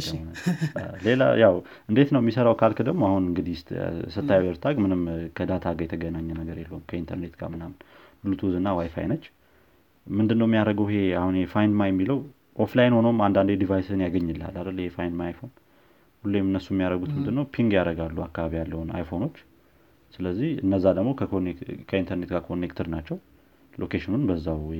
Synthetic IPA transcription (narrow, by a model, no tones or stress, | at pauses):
əonle̞la̰jaw | ʔɨnd̪e̞t̪nəwmːisəɾawkʰalkʰəd̪əɡmoahunɨŋɡɨd̪ijst̪sɨt̪ʰːajawɛɾt̪ʰaɡmɨnɨmkʰəd̪at̪ʰaɡəjɛt̪ʰəɡənaɲːɛnəɡəɾjɛlːəhumkʰəint̪ʰəɾne̞t̪ɡa̰mɨnamɨnbɨlut̪ʰuzɨnːawajfa̰jnət͡ʃː | mɨnd̪ɨnːəwɛmijaɾəɡəwɦe̞ahunjɛfajnd̪majɛmːiləw | ʔoflajinho̞nomand̪and̪jɛd̪ivajsɨnjaɡəɲːɨlːa̰lːad̪əlːhefajnd̪maajfo̞n | hulːemɨnːəsːumːijaɾəɡut̪mɨnd̪ɨnːəwpʰiŋɡjaɾəɡalːuakːaβaβijalːəwuna̰jfo̞no̞t͡ʃː | sɨləzːihɨ̰nːəzːad̪əɡmo̞kʰənkʰəint̪ʰəɾne̞t̪ɡakʰo̞nːekt̪ʰəɾnat͡ʃːɛw | lʔo̞kʰeʃɪnunbəzːaw